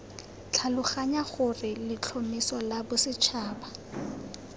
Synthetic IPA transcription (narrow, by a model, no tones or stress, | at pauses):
t͡ɬʰalʊχaɲaɣʊrɪlɪt͡ɬʰomisɔlabʊsɪt͡ʃʰaːba